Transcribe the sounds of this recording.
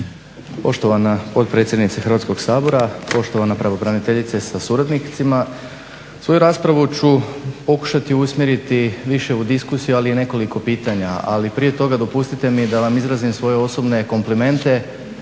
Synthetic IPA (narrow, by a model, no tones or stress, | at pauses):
po̞ʃt̪o̞ʋanapo̞t̪̚pɾe̞t̪sʲjed̪nit̪sexɾrʋaːt̪sko̞ɡsaːbo̞ɾapo̞ʃt̪o̞ʋanapɾaʋobɾanit̪e̞ʎit̪sesasuɾad̪nit̪sima | sʋo̞juɾaːspɾaʋut͡ɕupo̞ku̥ʃat̪iusmʲje̞ɾit̪iʋiʃe̞ud̪iskusijualiine̞ko̞liko̞piːt̪aɲaa̰lipɾije̞t̪o̞ɡad̪o̞pust̪it̪e̞mid̪aʋamizɾaːzimsʋo̞je̞o̞so̞bne̞ko̞mplime̞nt̪e̞